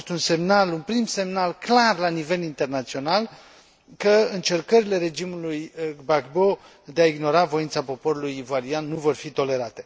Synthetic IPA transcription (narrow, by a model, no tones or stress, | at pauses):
st̪unse̞mnalunpɾimse̞mnalklarlanive̞lint̪e̞rnat̪sio̞nal | kəɨnt͡ʃe̞rkəɾile̞ɾe̞d͡ʒimulujbakbo̞ | d̪eaiɡno̞ɾavo̞jint̪sapo̞po̞ɾulujivoaɾianːuvo̞rfit̪o̞le̞ɾat̪e̞